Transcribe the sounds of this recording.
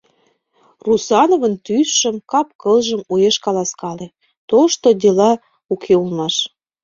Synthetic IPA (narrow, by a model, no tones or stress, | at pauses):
rusɑnovənt̪ysːəmkɑp̚kəlʒəmujeʃkɑlɑskɑle | t̪oʃt̪od̪elɑ | ukʰeulmɑʃ